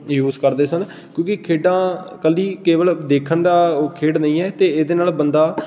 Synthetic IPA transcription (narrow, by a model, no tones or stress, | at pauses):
juːzkəɾd̪eːsən | kjõːkɪkʰeːɖãːkəliːkeːʋəld̪eːkʰənd̪aːoːkʰeːɖnəĩːɛːt̪eːeːd̪eːnaːlbənd̪aː